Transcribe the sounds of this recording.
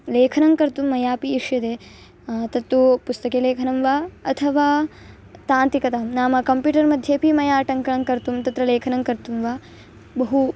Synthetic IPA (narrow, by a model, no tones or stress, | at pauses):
leːkʰɐnɐŋkɐɾt̪umːɐjaːpiːʂjɐt̪eː | t̪ɐt̪ːupust̪ɐkeːleːkʰɐnɐmʋaːɐt̪ʰɐʋaː | t̪aːnt̪ikɐt̪aːmnaːmɐkɐmpjuːʈɐɾmɐd̪ʱjeːpimɐjaːʈɐŋkɐɳɐŋkɐɾt̪umt̪ɐt̪ɾɐleːkʰɐnɐŋkɐɾt̪umʋaː | bɐɦu